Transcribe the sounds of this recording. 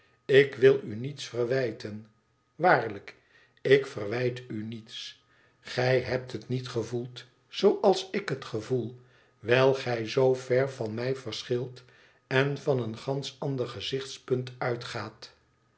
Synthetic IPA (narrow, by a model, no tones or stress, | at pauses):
ɪkʋɪlˠynitsfərʋɛjtən | ʋaːɹlək | ɪkfərʋɛjtynits | χɛjɦɛp̚tɦətnitχəvulˠt | zowʔɑlˠsɪkɦətχəvulˠ | ʋɛjlˠχɛjzowvɛɹvɑnmɛjvərsχɪlˠt | ɛnvɑnənχɑnsɑndərχəzɪχtspɵntœɥtχaːt